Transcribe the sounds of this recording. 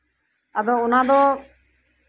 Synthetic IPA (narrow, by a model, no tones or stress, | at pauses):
əd̪oːʊnãːd̪oː